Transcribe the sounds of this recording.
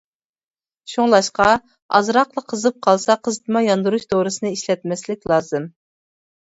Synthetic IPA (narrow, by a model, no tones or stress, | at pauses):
ʃuŋlˠɑʃqɑ | ɑ̰zɾɑqlˠəqʰːəzɨp̚qʰɑlˠsɑqʰəzɨt̪ʰɨmɑjɑnd̪uɾuʃt̪oɾɨsɨnɨiʃlɛt̪̚mɛslɪkʲlˠɑːzɨm